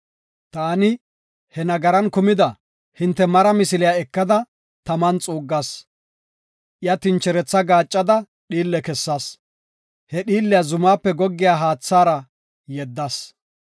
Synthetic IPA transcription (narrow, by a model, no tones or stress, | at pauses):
t̪aːnɪ | hɛnɐɡɐɾɐnkʊmɪd̪ɐ | hɪnt̪ːɛmɐɾɐmɪsɪlɪjaɛkːɐd̪ɐ | t̪ɐmɐnt͡sʼuːɡːɐs | ʔɪjɐt̪ɪnt͡ʃːɛɾɛt͡sːɐɡaːt͡ʃʼːɐd̪ɐ | ɗiːlːɛkɛsːaːs | hɛɗiːlːɪjazʊmaːpːɛɡɔɡːɪjaːɦaːt͡sːaːɾɐ | jɛd̪ːɐs